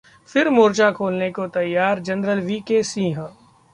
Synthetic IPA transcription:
fɪɾmuːɾt͡ʃakʰoːlnekot̪ɐjːaːɾd͡ʒɐnɾəlʋiːkesĩːɦə

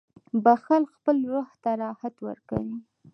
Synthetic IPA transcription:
baxalkxpəlɾəht̪aɾɑhat̪wə̰ɾka̰wi

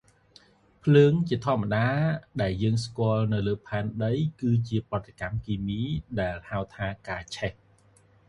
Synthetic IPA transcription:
pʰləːŋt͡ɕiət̪ʰŏəmːaɗaːɗaɛljəːŋskŏəlnɨwləːpʰaɛnɗəjkɨːt͡ɕiəprə̆ət̪ʰːekamkiːmiːɗaɛlhaət̪ʰaːkaːt͡ɕʰɛh

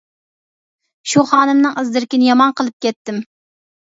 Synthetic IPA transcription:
ʃuχɑːnɨmnɨŋɨzd̪ɪɾkʲinɪjɑmɑnqəlˠɨp̚kʲɛt̪ːɪm

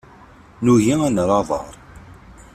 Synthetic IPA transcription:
nuʝiænɾˤɑðˤə̰ɾˤ

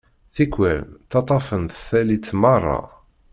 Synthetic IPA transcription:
θikʷːælmt̪ɑt̪ˤɑfənθθælit͡sːmɑrˤːɑ̰

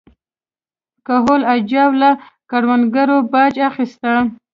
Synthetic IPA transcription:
kaɦolad͡ʒɑwla | kaɽwanɡaɾobɑd͡ʒaxist̪a

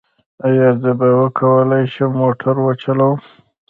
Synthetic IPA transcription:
ajaɾzəbawəkʰawəlajʃəmːoʈʰaɾwat͡ʃalaw

